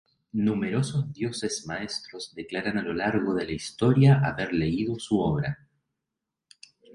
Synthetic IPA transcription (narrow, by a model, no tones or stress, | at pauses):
nume̞ɾo̞sozðjo̞sezmaest̪ɾo̞zðeklaɾanalo̞laɾɣo̞ðe̞laist̪o̞ɾjaaβe̞ɾle̞iðo̞suoβ̞ɾa̰